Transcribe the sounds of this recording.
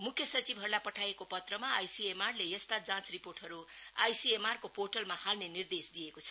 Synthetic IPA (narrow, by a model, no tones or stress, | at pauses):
mukʰjʌsʌt͡sibʱʌrlapʌʈʰajekopʌt̪rʌmaːjsiemarlejʌst̪ad͡zãt͡sriporʈɦʌɾuajsiemarkoporʈʌlmahalnenird̪esd̪ijekot͡sʰʌ̥